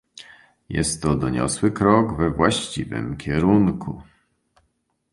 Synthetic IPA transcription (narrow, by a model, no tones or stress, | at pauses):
jɛ̰st̪ːɔd̪ɔɲɔ̰swɘkɾɔɡvɛvwaɕt͡ɕivɘ̰mkʲɛɾunkʰu